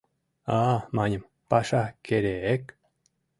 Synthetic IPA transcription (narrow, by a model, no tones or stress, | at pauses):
amaɲəm | paʃakeɾeek